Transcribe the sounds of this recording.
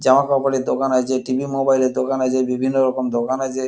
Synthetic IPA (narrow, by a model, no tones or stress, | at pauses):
d͡ʑamakawpaɽed̪okanad͡ʑeʈibʱimobajleɾd̪okanad͡ʑebibʱinːoɾɔkomd̪okanad͡ʑe